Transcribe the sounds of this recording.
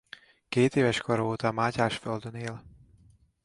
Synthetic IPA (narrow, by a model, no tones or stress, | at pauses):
keːt̪eːvɛʃkoɾoːt̪ɒmaːcaːʃføld̪øneːl